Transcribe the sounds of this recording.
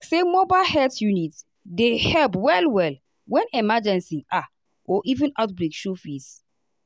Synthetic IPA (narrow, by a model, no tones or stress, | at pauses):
semɔbalhɛltjunit | dehɛlpwɛlwɛl | wɛ̃nɛmad͡ʒɛ̃nsĩʔa | ɔʔivĩnatblikʃofis